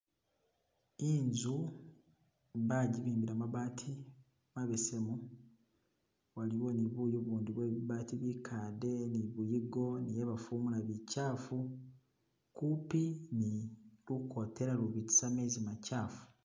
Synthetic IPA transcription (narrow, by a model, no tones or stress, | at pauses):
iɲzu | βaɟiβiːmbiɾamaβaːtʰi | maβesemu | waliβwo̞niβujuβuːndiβweiβaːtiβikʰaːde̞niβujiɡo̞nijeβafuːmulaβicaːfu | kupiniluko̞te̞ɾaluβiti̥samezimacaːfu̥